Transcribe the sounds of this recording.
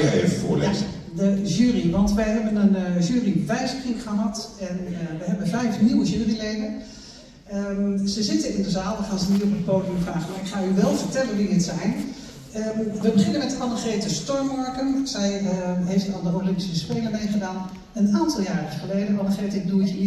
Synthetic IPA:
jḛvəvʊ̰ːlezə̰ | dəʒyːriʋɑntʋəɦɛbənənʒyːriʋɛjzəkrikχəɦɑtɛnəʋəɦɛbənfɛjfniwəʒyːrileːdən | əz̥əzɪtəɪndəzaːlˠʋəχaːnzənitɔpətpoːdijəmfraːχəmaɹɪkχaːyʋɛlˠvərtɛlənʋiətsɛjn | əʋəbəχɪnənmɛtfɑndəχeːtəstɔɹmɔɹkənsɛjɦeftɔlˠdəolɪmpisəspeːləmejχədaːn | ənaːntɑlˠjaːrəχəleːdənʋɑndəχetɪk̚duəcə

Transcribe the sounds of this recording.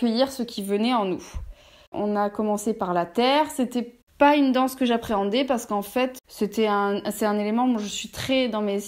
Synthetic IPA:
kəjiʁsəkʲivənɛɑ̃nu | ɔ̰̃nakɔmɑ̃sepaʁlat̪ɛːʁset̪ɛ | paynd̪ɑ̃skəʒapχeɑ̃d̪ɛpaʁsə̥kɑ̃fɛt̪set̪ɛɛ̃sɛt̪ɛ̃nelemɑ̃mwaʒəsɥit̪χɛd̪ɑ̃me

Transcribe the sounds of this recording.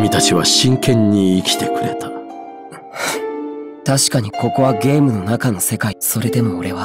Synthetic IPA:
mʲit̪at͡ɕiβ̞aɕĩŋkẽ̞ɲ̟ːiːkʲi̥t̪e̞kɯ̟ɾe̞t̪ḁ | t̪aɕi̥kaɲ̟iko̞ko̞βaɡe̞ːmɯ̟no̞nakano̞se̞kaiso̞ɾe̞d̪e̞mo̞ːɾe̞βa

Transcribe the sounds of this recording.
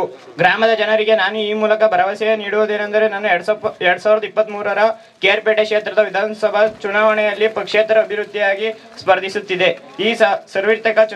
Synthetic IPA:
ɡɾaːmɐd̪ɐd͡ʒɐnɐɾiɡe̞naːnuiːmuːlɐkɐbʱɐɾɐʋasɐjɐniːɽuʋod̪eːnɐnd̪ɐɾe̞naːnuɽɛɾɽɐsaːʋɾɐd̪ɐipːɐt̪ːmuːɾuʋɐɾɐ | keːɾpeːʈekʂeːt̪ɾɐd̪ɐʋid̪ʱaːnɐsɐbʱɐt͡ʃunaːʋɐɳɛjɐlːipɐkʂeːt̪ɾɐːbʱiɾud̪ʱːijaːɡi | spɐɾd̪ʱisut̪ːid̪e̞ | iːsɐɾʋiɾt̪ɐkɐt͡ʃ

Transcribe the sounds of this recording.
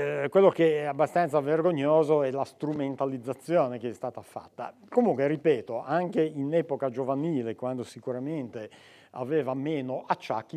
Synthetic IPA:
kwelːokeɛabːast̪ant̪saverɡoɲːoːzoɛlast̪ɾument̪alid̪zːat̪sːjoːnekeɛst̪aːt̪afa̰t̪ːa̰ | komuŋkweripɛːt̪oʔaŋkeinɛːpokad͡ʒovaniːlekwand̪osikuɾament̪e | a̰veːvameːnoʔat͡ʃːa̰kːi

